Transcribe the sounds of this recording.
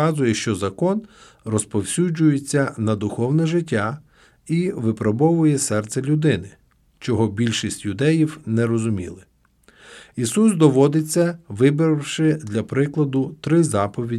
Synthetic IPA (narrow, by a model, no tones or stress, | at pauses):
ɑzʊjɛʃt͡ʃɔzɐkɔn | rɔspɔwsʲud͡ʒʊjet͡sʲːɐnɐd̪ʊxɔwnɛʒɪtʲːa | iʋɪpɾɔbɔʋʊjɛsɛrt̪sɛlʲʊd̪ɪnɪ | t͡ʃɔɦɔbʲilʲʃisʲtʲjʊd̪ɛjiwnɛɾɔzʊmʲḭlˠɪ | isusd̪ɔʋɔd̪ɪt͡sʲːɐʋɪbɪɾɪwʃɪd̪lʲɐpɾɪklˠɐd̪ʊt̪ɾɪzɑpɔʋʲi